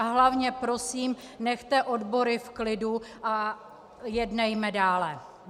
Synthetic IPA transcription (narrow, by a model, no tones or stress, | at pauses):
aɦlavɲɛpɾo̞siːmnɛxt̪ɛʔo̞dbo̞ɾɪfklɪduʔa | jɛdnɛjmɛdaːlɛ